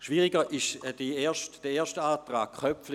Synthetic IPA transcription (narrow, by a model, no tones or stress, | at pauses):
ʃviːʁɪɡəʔɪʃd̥ieːɐʃtd̥ɛeːɐʃtaːtʁa̰ːkχœpflɪ